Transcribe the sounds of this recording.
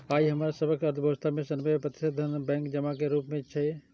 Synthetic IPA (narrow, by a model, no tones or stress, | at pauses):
aːiɦəmaːɾasəbəkəɾt̪ʰəbʱəʋəst̪ʰamẽsənbepɾət̪ɪ̥ʃed̪ʱːənbɛ̃ːŋkd͡ʒəmakeɾuːpmẽt͡ʃʰɛ